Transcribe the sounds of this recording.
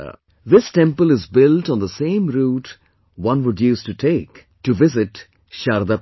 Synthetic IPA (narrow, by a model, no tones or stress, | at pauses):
ðɪsʈɛ̃mpəlɪzbɪlʈɔ̃n̩ðəsẽːmɾuːʈ | wʌ̃nʋʊdjuːsʈuʈʰeɪk | ʈuʋɪzɪʈ | ʃaɾd̪a